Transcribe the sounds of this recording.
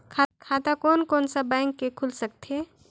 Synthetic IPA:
kʰakʰaːt̪akɔːnkɔːnsabãɪŋkːekʰulsək̚t̪eː

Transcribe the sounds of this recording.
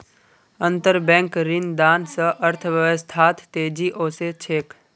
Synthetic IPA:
ə̃nt̪əɾbɛ̃ːŋkɾɪnd̪aːnsəʔəɾt̪ʰʋəʋəst̪ʰaːt̪t̪eːd͡ʒiʔoːset͡ʃʰeːk

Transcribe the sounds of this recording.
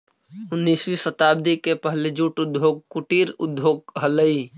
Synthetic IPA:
ʊnːiːsʋisət̪aːb̚d̪ikepəɦled͡ʒuːʈʊd̪joːɡ̚kʊʈiːɾʊd̪ʱjoːɡɦələi

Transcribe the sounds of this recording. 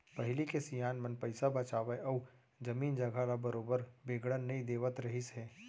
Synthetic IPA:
pɐɦɪlikesijaːnmɐnpɐɪsabɐt͡ʃaːʋeʔɔː | d͡ʒɐmiːnd͡ʒɐɡʱaɾabɐɾoːbəɾbeːɡɽənːɐĩd̪eːʋət̪ɾɐɦisɦɛː

